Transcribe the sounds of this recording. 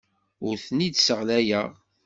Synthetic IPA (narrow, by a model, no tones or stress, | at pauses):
ʊɾθnid̪səʁlæjæ